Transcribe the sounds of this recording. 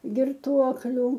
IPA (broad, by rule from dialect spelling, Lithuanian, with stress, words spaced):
ɡʲɪrˈtuɔklʲʊ